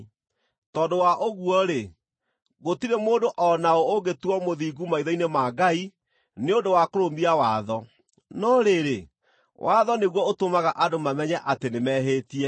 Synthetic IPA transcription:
tɔːdowaʔoɣuɔɾe | ɣotiɾemoːndoʔɔnaooɡetuɔmoðiɡumaiðɔinemaɡai | neondowakoɾombiawaðɔ | nɔɾeɾe | wʔaðɔneɣwɔotomaɣaʔadomamɛɲɛʔatenemɛɦeːtiɛ

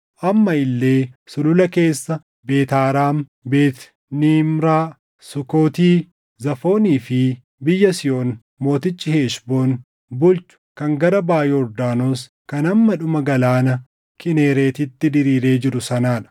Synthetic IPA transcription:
ʔɐmːɐɪlːe̞ːsʊlʊlɐke̞ːsːɐ | be̞ːt̪aːɾaːm | beːt̪ | niːmɾaː | sʊko̞ːt̪iː | zɐfo̞ːniːfɪ | bɪjːɐsɪjo̞ːn | mo̞ːt̪ɪt͡ʃʼːɪheːʃbo̞ːn | bʊlt͡ʃʊ̥kɐŋɡɐɾɐbaːjɛɔɾd̪aːno̞ːs | kɐnɐmːɐᶑʊmɐɡɐlaːnɐ | kɪne̞ːɾe̞ːt̪ɪt̪ːɪd̪ɪɾiːɾe̞ːd͡ʒɪɾʊsɐnaːᶑɐ̥

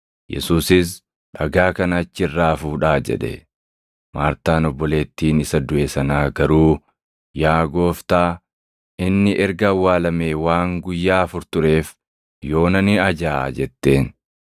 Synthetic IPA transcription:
jɛ̰suːsɪs | ᶑɐɡaːkɐnɐːt͡ʃːɪrːaːfuːᶑaːd͡ʒɛ̰ᶑɛ̰ | maːɾt̪aːnɔbːɔle̞ːt̪ːiːnɪsɐd̪ʊʔeːsɐnaːɡɐɾuː | jaːɡo̞ːft̪aː | ɪnːɪʔɛɾɡɐɐwːaːlɐmeːwaːŋɡʊjːaːfʊɾt̪ʊɾe̞ːf | jo̞ːnɐnɪɐd͡ʒa̰ːd͡ʒɛt̪ːe̞ːn

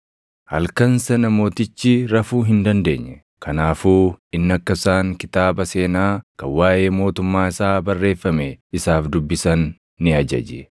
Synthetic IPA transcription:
hɐ̰lkɐnsɐnɐmo̞ːt̪ɪt͡ʃːɪɾɐfuːɦɪnd̪ɐnd̪e̞ːɲːɛ | kʰɐnaːfuːɪnːɐkːɐsaːŋkɪt̪aːbɐse̞ːnaːkɐwaːʔe̞ːmo̞ːt̪ʊmːaːɪsaːbɐrːe̞ːfːɐmɛɪsaːfd̪ʊbːɪsɐnː | ɪɐd͡ʒɐ̰d͡ʒɛ

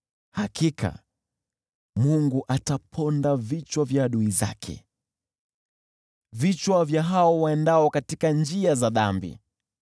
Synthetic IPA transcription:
hakikʰa̰ | muŋɡuʔatapʰɔndavit͡ʃwavjaːɗuiza̰kʰɛ̰ | vit͡ʃwavjaɦaɔwaɛndaɔkatikand͡ʒiazaðambḭ

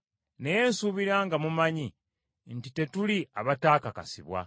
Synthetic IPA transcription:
ne̞jensuβiɾaːŋɡamumaɲi | ntite̞tuliaβataːkaka̰siβwa̰

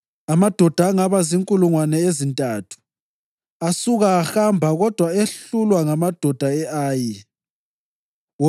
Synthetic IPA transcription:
amad̥ʱɔd̥ʱaːŋaβaziŋkʼuluŋwanɛezintʼaːtʰu̥ | asuɣaːxambʱaɣɔd̥ʱwaeɬulwaŋamad̥ʱɔd̥ʱaɛʔaːji

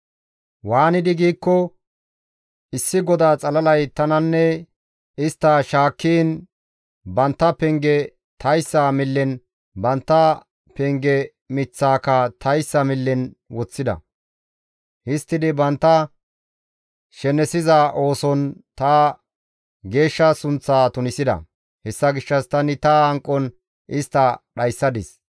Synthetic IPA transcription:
waːnɪd̪ɪɡiːkːɔ | ɪsːɪɡɔd̪aːt͡sʼɐlɐlɐjt̪ɐnɐnːɛ | ɪst̪ːɐʃaːkːiːn | bɐnt̪ːɐpɛŋɡɛ | t̪ɐjsːaːmɪlːɛn | bɐnt̪ːɐ | pɛŋɡɛ | mɪt͡sːaːkɐt̪ʰɐjsːɐmɪlːɛn | wɔt͡sːɪd̪ɐ̰ | hɪst̪ːɪd̪ɪbɐnt̪ːɐ | ʃɛnɛsɪzaʔo̞ːsɔnt̪ɐː | ɡe̞ːʃːɐsʊnt͡sːaːt̪ʊnɪsɪd̪ɐ̰ | hɛsːɐɡɪʃːɐst̪ɐnɪt̪ɐɐŋkʼːɔn | ʔɪst̪ːɐɗɐjsːɐd̪ɪs

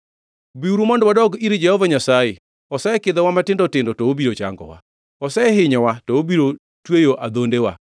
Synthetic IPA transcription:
biuɾumɔndwadɔɡiɾd͡ʒɛhɔvaɲasaje | ɔsɛkɪd̪ɛwamatɪndɔtɪndɔtɔobiɾot͡ʃa̰ŋɡɔ̰wa̰ | ɔsɛɦɪɲɔwatɔobiɾo | twejoʔad̪ondewa̰

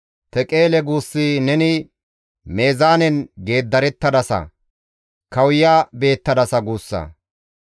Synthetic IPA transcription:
t̪ɛkʼe̞ːlɛɡuːsːinɛnɪ | me̞ːzaːnɛnɡe̞ːd̪ːɐɾɛt̪ːɐd̪ɐsɐ̰ | kɐwjaːbe̞ːt̪ːɐd̪ɐsɐɡuːsːɐ̰

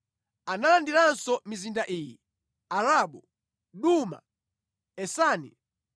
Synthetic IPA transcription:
analandiɾansɔmizindaʔiːji | aɾaɓɔ | ɗuma̰ | ɛsaːnḭ

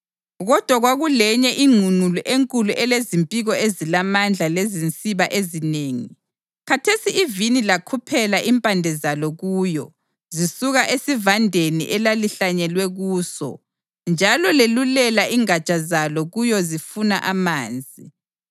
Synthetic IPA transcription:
ɣɔd̥ʱwaɣwaɣulɛɲɛʔiŋ͡ǀʱunuluʔeŋkʼuluʔɛlezimpʼiɣɔezilamand͡ɮʱalezint͡sʼiβaʔezineːŋi | kʰatʰesiivinilakʰupʰɛlaʔimpʼandʱɛzalɔɣuːjɔ | zisuɣaʔesivandʱenḭʔɛlaliɬaɲɛlwɛɣuːsɔ̰ | nd͡ʒʱalɔlelulɛlaʔiŋat͡ʃʼazalɔɣujɔzifunaʔamaːnd͡zʱi

